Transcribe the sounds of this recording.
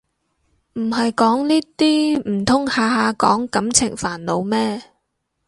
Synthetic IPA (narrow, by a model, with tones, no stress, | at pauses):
m̩˨˩hɐ˨jkɔː˨˥ŋniː˥t̪iː˥m̩˨˩t̪ʰʊ˥ŋhaː˨haː˨˧kɔ̰ː˨˥ŋkɐ˨˥mt͡sʰɪ˨˩ŋfaː˨˩nlo˨˧wmɛː˥